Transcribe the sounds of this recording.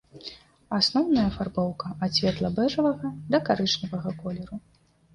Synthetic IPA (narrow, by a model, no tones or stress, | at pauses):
asnɔwnɐjɐfarbɔwkɐasʲvʲɛt̪lˠɐbɛʐɐvɐɣɐd̪ɐkaɾɨt͡ʂnʲɐvɐɣɐkɔlʲɛɾu